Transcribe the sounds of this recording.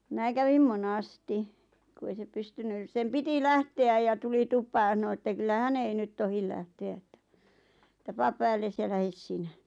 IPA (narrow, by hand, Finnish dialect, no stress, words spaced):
mĭnæ kæʋim monɑsti ku ei se pystynys sem piti læhteæj jɑ tuli tupˑɑː jɑ s̆ɑno etːæ kylːæ hæn ei nyt tohil læhteæ etːæ̥ ĕtˑæ pɑːp pæːlːes jɑ læhes sinæ